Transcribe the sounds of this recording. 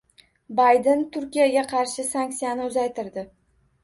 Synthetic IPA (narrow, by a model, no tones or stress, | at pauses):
bajd̪ent̪ʰʊɾkʲijaɡʲaqʰɑɾʃɪsaŋk̚ʲt̪sijanɪʊzajt̪ʰɪɾd̪ɪ